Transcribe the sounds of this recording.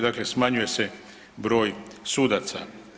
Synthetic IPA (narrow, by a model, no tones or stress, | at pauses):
d̪aklesmaɲuje̞se̞ | bɾo̞ːjsuːd̪at̪sa̰